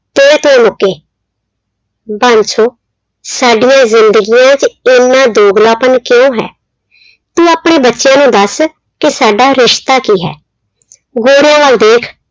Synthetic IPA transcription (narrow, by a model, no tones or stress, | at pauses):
t̪oːeːt̪oːmʊkːeː | bãːnt͡ʃʰoː | saːɖijãːzɪnd̪əɡijãːt͡ʃɪnːãːd̪oːɡlaːpənkjõːɦɛ̰ː | t̪ũːaːpɳeːbətːʃjãːnũːd̪əs | kɪsaːɖaːɾɪʃt̪aːkiːɦɛ̰ː | ɡoːɾɪjãːʋaːld̪eːkʰ